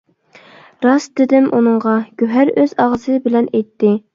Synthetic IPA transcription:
ɾɑsd̪ɪd̪ɪmʔunɨŋʁɑɡ̥ʲyɦæɾøzɑʁzɨbɪlɛnɛjt̪ːɪ

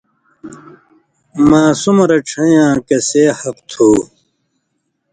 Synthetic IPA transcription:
maːsumɾɐʈ͡ʂʰɐ̃jãːkɐseːhɐqt̪ʰuː

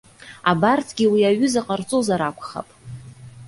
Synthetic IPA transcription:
abartʰɡʲiwiaɥʏzaqʼart͡sʼozaɾakʷʰʼχa̰pʼ

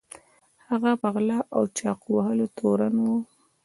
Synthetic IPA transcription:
haɣabaɣlaʔawt͡ʃɑqwahəlot̪ʰoɾanwu

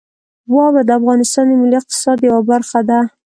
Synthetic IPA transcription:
wɑβad̪əafɣɑnɪst̪ɑnd̪əmɪliɪq̚t̪ɪ̥sɑd̪jawabaɾxad̪a

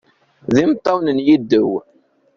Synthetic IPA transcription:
ðimt̪ˤːɑwnənjid̪ːəw

